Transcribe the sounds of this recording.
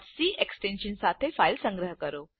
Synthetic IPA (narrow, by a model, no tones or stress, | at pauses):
siːʔeksʈenɕənsat̪ʰefailsə̃ŋɡɾəɦəkəɾo